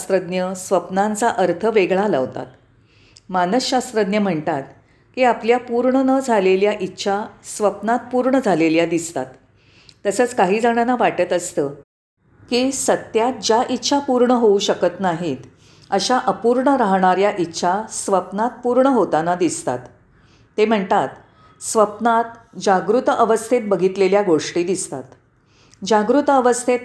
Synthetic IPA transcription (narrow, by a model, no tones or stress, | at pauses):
st̪ɾəd̪njəsʋəpnant͡saʔəɾt̪ʰəʋeɡɭalə̰ʋt̪a̰t̪ | manəsɕast̪ɾəd̪njəm̤əɳt̪at̪̚ | kiːapljapuɾɳənəd͡zʱaleljaʔitːɕʰasʋəpnat̪̚puɾɳəd͡zʱaleljad̪ist̪a̰t̪ː | əsət͡skaɦiːd͡zaɽ̃anaʋaʈət̪əst̪əː | kiːsət̪jat̪̚d͡ʑjaʔitːɕʰapuɾɳəɦouɕəkət̪naɦit̪ | əɕaʔəpuɾɳəɾaɦɳ̃aɾjaʔitːɕʰasʋəpnat̪̚puɾɳəɦot̪anad̪ist̪a̰t̪ː | em̤əɳt̪at̪ | sʋəpnat̪ | d͡ʑaɡɾut̪əʔəʋəst̪ʰet̪̚bəɡʱit̪leljaɡoʂʈiːd̪ist̪a̰t̪ | d͡ʑaɡɾut̪əəʋəst̪ʰet̪